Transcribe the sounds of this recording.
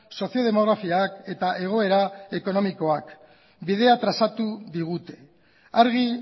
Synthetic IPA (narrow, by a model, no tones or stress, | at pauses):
so̞sjo̞ð̞e̞mo̞ɣ̞ɾafiake̞t̪aʔe̞ɣ̞o̞e̞ɾae̞ko̞no̞miko̞ak | bið̞e̞at̪ɾasat̪uðiɣ̞ut̪e̞ | aɾɣi